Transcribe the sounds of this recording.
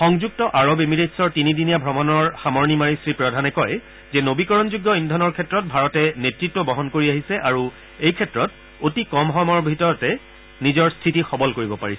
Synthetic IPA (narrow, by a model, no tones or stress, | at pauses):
xɔŋzuk̚tɔʔaɹɔbemiɹetsɔɹtinidinijabʱɹɔmɔnɔɹxamɔɹnimaɹisɹipɹɔdʱanɛkɔj | zɛnobikɔɹɔnzuɡːɔindʱɔnɔɹkʰɛtːɹɔt̚bʱaɹɔtɛnetɹitwɔbɔɦɔnkoɹiaɦisɛʔaɹu | ejkʰɛtɹɔt̚ | otikɔmɦɔmɔɹbʱitɔɹɔtɛ | nizɔɹstʰitixɔbɔlkoɹibɔpaɹisɛ